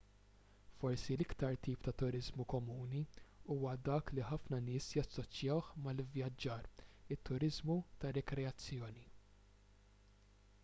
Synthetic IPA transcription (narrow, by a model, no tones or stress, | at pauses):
fɔɾsilɪkt̪ɐɾt̪iːpt̪ɐt̪ʊɾɪzmukɔmuːniuːwɐd̪ɐːkliħɐfnɐnɪːsjɐsːɔt͡ʃjɐwħmɐlɪvjɐd͡ʒːɐːɾɪt̪ːʊɾɪzmut̪ɐrɛkɾɛɐt͡sːjɔːni